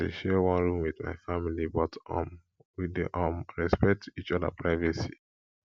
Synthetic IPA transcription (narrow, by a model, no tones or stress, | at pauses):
ḛʃɛwɔ̃nɹũmwidma̰ɪfamilibɔtɔ̰̃m | widḭʔamɹɛspɛk̚tʰit͡ʃɔdə̰pʰɹaɪvɛsi